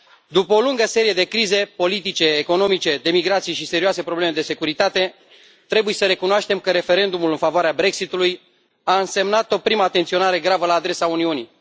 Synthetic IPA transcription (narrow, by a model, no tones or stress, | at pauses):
d̪upəoluŋɡəse̞ɾije̞d̪e̞kɾize̞po̞lit̪̬it͡ʃe̞ːko̞no̞mit͡ʃe̞d̪e̞miɡɾat̪sijeʃise̞ɾiuase̞pɾoble̞me̞d̪e̞se̞kuɾit̪at̪e̞ | t̪ɾe̞bujesəɾe̞kunoaʃt̪e̞mkəɾe̞fe̞ɾe̞nd̪umulɨnfavoaɾeabɾe̞ksit̪uluj | aɨnse̞mnat̪o̞pɾiməaːt̪ent̪sio̞naɾe̞ɡɾavəlaːd̪ɾe̞sauniuni